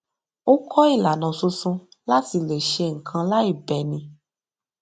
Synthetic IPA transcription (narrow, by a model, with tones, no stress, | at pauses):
o˦kʰɔ˦i˦˨la˨nã˨su˧sũ˧ | la˦ti˧le˨ʃe˧ŋ̩˨kʰã˧la˦i˦˨bɛ˨nĩ˧